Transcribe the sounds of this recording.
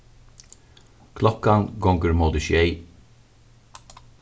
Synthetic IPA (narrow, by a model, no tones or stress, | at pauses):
kʰlɔkɑnɡɔŋɡəɹmoːd̪əʃʏeɪ